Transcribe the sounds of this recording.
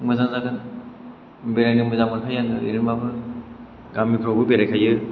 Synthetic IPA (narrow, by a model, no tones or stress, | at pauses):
mɯzaŋzaɡan | beɾajnɯmɯzamɯɾkʰajandɯ̰ḛɾimabɯ | ɡamikʰɾɔbɯbeɾajkʰajɯ